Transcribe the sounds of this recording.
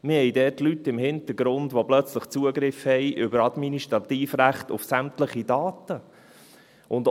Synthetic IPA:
mɪhɛjdɛːtlytːɪmhɪnt̪əɡɾʊndʋoblœt͡sləχt͡suəɡɾɪfhɛjʔʏbəɾɑd̪miniʃtɾɑt̪iːfɾæχt̪ʊfsæmtləχidɑːtə | ʔʊnd

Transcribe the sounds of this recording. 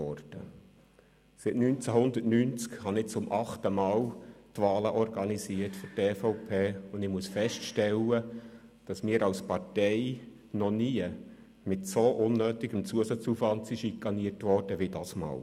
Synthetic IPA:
ɔɾd̥ə | sɪtnynt͡sæɦʊnd̪ətnynt͡skhɑnɪt͡sʊmʔɑχtəmɑːltʋɑːləʔɔɾɡɑnisiətfɔtɛːfɔʊpʰeːʊndɪmuəsfɛstʃtɛlːə | d̥ɑsmiːəɾɑwspɑɾtɛɪ | nɔniə | mɪtsoʔʊnːøːt̪ɪɡ̥əmt͡suəsɑt͡sufɑntsiʃikːɑniərtʋɔːrd̥əʋid̥ɑːsmɑ̰ːl

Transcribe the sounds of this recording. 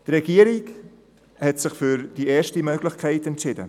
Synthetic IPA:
d̥iɾeɡiːəɾɪk | hɛtsɪχfyːrd̥ieːʃtəmøːɡlɪxkʰɛɪtɛntʃɪdə̰

